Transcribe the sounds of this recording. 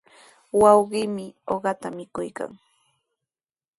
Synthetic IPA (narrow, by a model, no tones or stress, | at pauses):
wɑwɢɪːmɪoɢɑt̪amɪkʊjka̰ŋ